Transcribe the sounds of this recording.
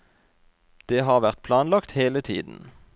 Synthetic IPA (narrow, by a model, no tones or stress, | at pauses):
d̪̥eːɦɑːʁʋæʁt̪̚pʰlɑːnlɑkt̪heːlət̪ʰḭːd̪n̩